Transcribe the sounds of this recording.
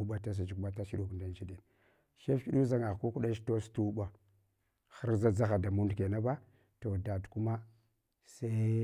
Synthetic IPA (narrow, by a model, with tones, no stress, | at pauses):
u˦ɓa˦ta˦s̬a˨d͡ʒi˦kma˦ta˦ʃi˦ɗu˦knda˦n˦t͡ʃi˦di˨n | ʃe˦fki˦ɗu˦za˦ŋa˨ku˦ku˦ɗa˦ʃto˦stu˦ba˨ | xa˦ɾza˦d͡za˦xa˨da˨mu˦ndke˨na˦ba˦ | to˨da˨tku˦ma˦ | sa˦